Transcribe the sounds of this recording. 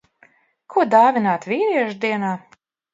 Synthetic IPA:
kʰuɔd̪aːvʲinaːt̪vʲiːɾiɛʒd̪iɛnaː

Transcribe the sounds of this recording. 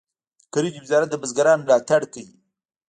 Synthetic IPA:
kaɾid͡ʒwɪzɑɾat̪̚d̪əbazɡaɾɑnmlɑt̪aɽkaji

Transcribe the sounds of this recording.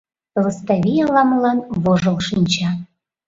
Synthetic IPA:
lɤst̪ɑβʲijɑlɑmlɑnβoʒɤ̆lˠʃinʲt͡ɕɑ

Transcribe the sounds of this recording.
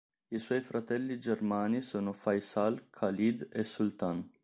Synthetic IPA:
iswɔjfɾat̪ɛlːid͡ʒermaːnisoːnofajsalkʰalid̪esːult̪an

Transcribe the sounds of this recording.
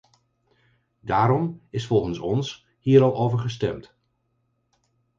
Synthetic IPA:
daːɾɔmɪsfɔlˠχənsɔns | hiːɾɑlˠʔowvəɹχəstɛmt

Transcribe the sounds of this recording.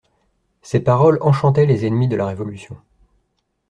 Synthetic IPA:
sepaʁɔlɑ̃ʃɑ̃t̪ɛlezɛnmid̪əlaʁevɔlysjɔ̃

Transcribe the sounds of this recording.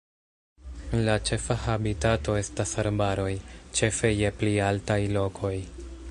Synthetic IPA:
lat͡ʃe̞fahabitato̞e̞stasaɾbaɾo̞jt͡ʃe̞fe̞je̞plialtajlo̞kʰo̞j

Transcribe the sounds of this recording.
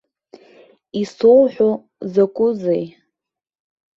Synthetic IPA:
isowħʷᶣo | zakʷʼʊzej

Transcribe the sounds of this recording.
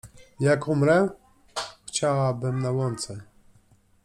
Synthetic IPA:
jakumɾɛ | xt͡ɕawabɘmnawɔnt̪sɛ

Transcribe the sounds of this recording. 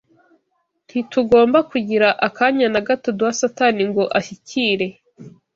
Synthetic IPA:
n̥hituɡo̞ːmbakuɟiɾaʔakaɲanaɡatotuwasataniŋɡo̞ʔaçicʰiːɾe̞

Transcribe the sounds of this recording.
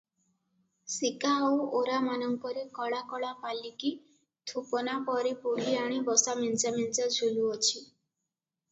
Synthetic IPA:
sikaooɾamanɔŋkɔɾikɔɭakɔɭapaliki | t̪ʰupɔnapɔɾipuɡiaɽ̃ibɔsamint͡ʃamint͡ʃad͡ʒʱuluɔt͡ʃʰi

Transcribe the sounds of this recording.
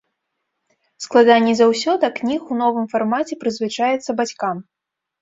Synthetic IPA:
sklˠad̪anʲːizawsʲɔd̪ɐknʲixunɔvɨmfarmat͡sʲɛpɾɨzvɨt͡ʂajɛt̪sːɐbat͡sʲkam

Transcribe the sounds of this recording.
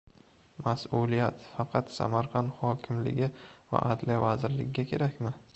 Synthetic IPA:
masulijat̪fɑqʰɑt̪sa̰maɾqʰɑnd̪hɒkʲʰɪmlɪ̰ɡʲɪva̰ʔad̪lijavazɪɾlɪ̰ɡʲɪɡʲakʲʰe̞ɾakʲmɪ

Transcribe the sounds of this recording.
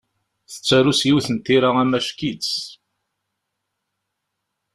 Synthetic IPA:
θə̥t͡sːæɾusjiwθənt̪ːiɾaæmæʃkit͡s

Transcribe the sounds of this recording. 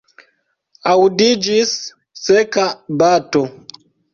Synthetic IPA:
audid͡ʒisː | ɛkabatɔ

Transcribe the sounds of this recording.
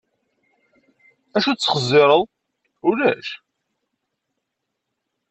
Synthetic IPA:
æʃut͡sːə̥χəzːɪɾˤəðˤ | ʊlæ̰ʃ

